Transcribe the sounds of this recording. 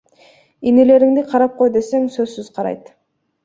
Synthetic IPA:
inele̞ɾɪŋd̪ɪqʰɑɾɑp̚qʰo̞jd̪e̞se̞ŋsøzsyzqʰɑɾɑ̰jt̪

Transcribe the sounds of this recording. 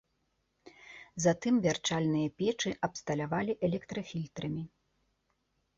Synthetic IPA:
zɐt̪ɨmvʲart͡ʂalʲnɨjɐpʲɛt͡ʂɨʔɐpst̪ɐlʲavalʲiʔɛlʲɛkt̪ɾɐfʲilʲt̪ɾɐmʲi

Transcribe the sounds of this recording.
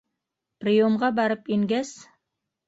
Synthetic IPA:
prijomʁɑbɑɾəpiŋɡʲæs

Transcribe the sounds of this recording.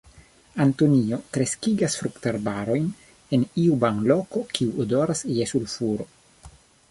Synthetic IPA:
antonio̞tɾe̞skiɡasfɾuktaɾbaɾo̞jn | e̞niubaŋlo̞ko̞kʰiuodoɾasjesulfuɾo̞

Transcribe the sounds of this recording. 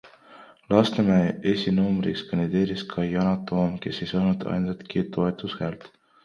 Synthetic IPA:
lɑst̪emæesinuːmɾḭskɑnd̪id̪e̞ːɾiskʰɑjɑnɑt̪ːoːmke̞sːe̞jsɑːnud̪̥ɑ̰jnset̪kit̪o̞e̞t̪ˑushæːlt̪

